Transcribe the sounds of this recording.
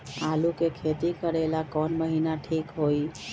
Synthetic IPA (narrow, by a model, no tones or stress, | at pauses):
alukekʰet̪ikəɾelakɔnməɦinaʈʰikɦoi